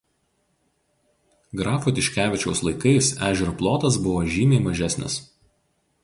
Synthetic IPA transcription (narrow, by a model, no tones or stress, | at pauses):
ɡɾɑːfoːt̪ʲɪʃʲkʲæːʋʲɪt͡ʃʲɛʊslˠɐɪkɐɪsæːʒʲɛɾoplˠoːt̪ɐs̬bʊʋoːʒʲiːmʲeɪmɐʒʲæˑsʲnʲɪ̰s